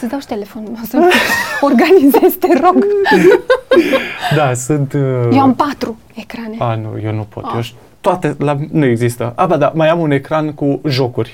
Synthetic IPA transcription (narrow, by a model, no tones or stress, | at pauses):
sɨd̪awʃt̪elefonnosəorɡanizest̪eroɡ | d̪asɨnt̪joampat̪ɾu | ekɾaneanṵjenupot̪joʃ | t̪oat̪elanueɡzist̪əʔabad̪amajamunekɾankuʒokurʲ